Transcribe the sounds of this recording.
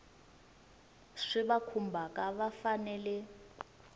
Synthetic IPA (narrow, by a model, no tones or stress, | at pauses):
ʂiβakʰumbʱakaβafanɛlɛ